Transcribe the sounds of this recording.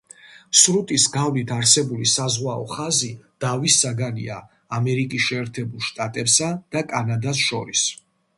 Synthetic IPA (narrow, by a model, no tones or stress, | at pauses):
sɾut̪ʼisɡavlit̪ʰaɾsɛbulisazʁwaɔ̰χazid̪̥avisːaɡanḭa̰ː | mɛɾikʼisʃɛːɾt̪ʰɛbulˠʃt̪ʼat̪ʼɛpsad̪̥akʼanad̪asʃɔɾis